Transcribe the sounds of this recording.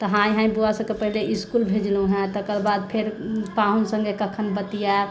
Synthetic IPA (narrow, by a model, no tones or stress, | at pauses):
t̪ɔɦãjɦãĩbuasə̃kepəɦileʔiskulbʱed͡ʒlũɦɛ̃t̪əkəɾbad̪̚pʰeɾpaɦunsə̃ŋɡekəkʰənbət̪ija